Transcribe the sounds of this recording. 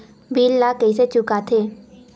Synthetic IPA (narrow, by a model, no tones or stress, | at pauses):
bʱiːlːakəiset͡ʃʊkat̪ʰeː